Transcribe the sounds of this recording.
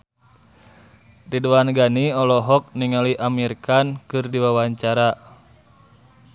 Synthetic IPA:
riduanɡaniɔlɔɦɔk̚niŋaliʔamirkankɨrdiwawaɲt͡ʃaɾa

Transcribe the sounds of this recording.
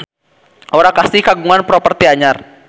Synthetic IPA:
ʔɔɾakasihkaɡuŋanpɾɔpərt̪iaɲar

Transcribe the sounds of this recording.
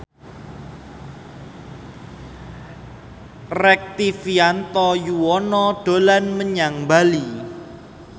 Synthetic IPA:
rɛk̚t̪ifiant̪ɔjuwɔnɔɖ̥o̤lanməɲaŋbali

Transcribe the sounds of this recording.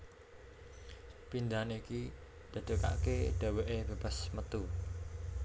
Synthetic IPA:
pind̪aniki | d̪̥a̤d̪̥ə̤ka̰ʔkeɖ̪̥a̤weʔeb̥ab̥asmət̪u

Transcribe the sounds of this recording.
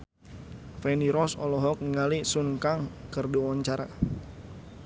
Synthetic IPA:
fɛniɾɔsɔ̰lɔɦɔk̚niŋalisuŋkaŋkərduwɔɲt͡ʃaɾa̰

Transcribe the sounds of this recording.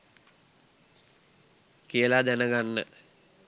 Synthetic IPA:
kiəlad̪ænəɡanːə̰

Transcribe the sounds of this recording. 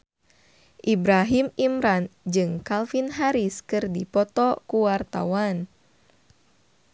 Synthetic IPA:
ʔibɾaɦimimɾand͡ʒɨŋkalfinɦaɾiskɨrdipɔt̪ɔkuwart̪a̰wan

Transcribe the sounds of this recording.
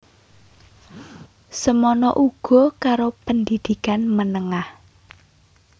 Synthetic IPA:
səmɔnɔʔuɡ̥ɔ̤kaɾopənd̪id̪̥i̤kanmənəŋah

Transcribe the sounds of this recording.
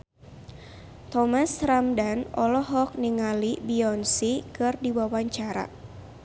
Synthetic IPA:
t̪ɔmasɾamdanɔlɔɦɔk̚niŋalibiɔnsikɨrdiwawaɲt͡ʃaɾa̰

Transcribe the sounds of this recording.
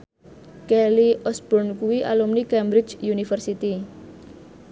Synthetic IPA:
kɛliʔɔsb̥ɔnkuwiʔa̰lumnikɛmbɾɪt͡ʃjunifərsit̪i

